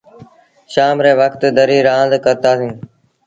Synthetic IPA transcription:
ʃaːmɾeːʋəkt̪d̪ʱəɾiːɾãːnd̪kəɾt̪aːsĩː

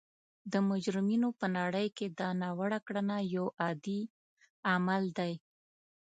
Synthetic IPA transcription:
d̪əmʊd͡ʒɾɪminopənɑɽəjked̪ɑnɑwaɽakɽənajawɑd̪i | amald̪aj

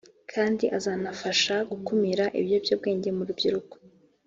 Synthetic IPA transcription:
kʰaːndiʔazaːnafaʃaɡukumiɾaʔḭβjo̞bjob̚ɡe̞ːɲɟe̞muɾubɟiɾuko̥

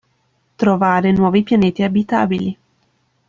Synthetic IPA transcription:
t̪ɾovaːɾenwɔːvipjaneːt̪iabit̪a̰ːbili

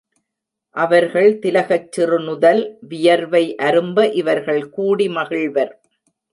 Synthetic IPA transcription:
ʔɐʋɐɾɣɐɭt̪ɪlɐɣɐt͡ʃːɪrɯnʊðɐlʋɪjɐɾʋɐɪʔɐɾɯmbɐʔɪʋɐɾɣɐɭkuːɽimɐɣɪɭʋɐɾ

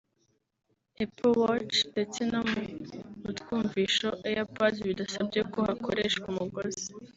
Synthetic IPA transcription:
epʰowot͡ʃnde̞t͡se̞nomuɾutɡuːɱviːʃo̞ʔejapaziβidasab̚ɟe̞kohakʰoɾe̞ːʃkwumuɡozi̥

